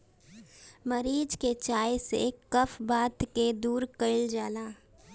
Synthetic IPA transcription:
məɾiːd͡ʒket͡ʃaːesḛkəfbaːt̪ked̪uːɾkəɪld͡ʒaːlaː

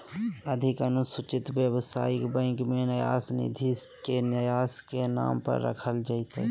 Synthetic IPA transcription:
əd̪ʱɪkənʊsʊt͡ʃɪt̪ʋjəwsa̰ːɪkbə̃ːŋkmẽnəja̰ːsnɪ̰d̪ʱikenəjaːskena̰ːmpə̰ɾːə̰kʰəld͡ʒaɪt̪ḛ

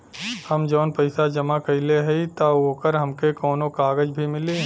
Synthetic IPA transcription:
həmd͡ʒɔːnpəɪsad͡ʒəmakɐɪleɦɛit̪aoːkəɾɦəmkekɔːnokaːɡəd͡ʒbʱimɪle

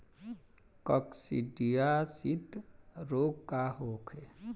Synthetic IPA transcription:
kɔksḭɖijasit̪ɾoːɡkaɦoːkʰe

